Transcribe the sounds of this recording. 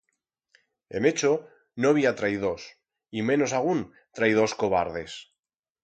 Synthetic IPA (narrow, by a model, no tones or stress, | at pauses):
e̞̰me̞t͡ʃo | noaβiat̪ɾaiðo̞s | imẽ̞no̞saɣ̞un | t̪ɾaið̞o̞sko̞β̞aɾð̞e̞s